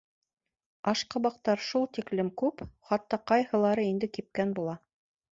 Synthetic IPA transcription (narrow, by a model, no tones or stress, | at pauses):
ɑʃqɤ̆bɑq̚t̪ɑɾʃulˠt̪iklɘmkʉpχɑt̪ːɑqɑjhɤ̆lˠɑɾɤind̪ɘkip̚kænbulˠɑ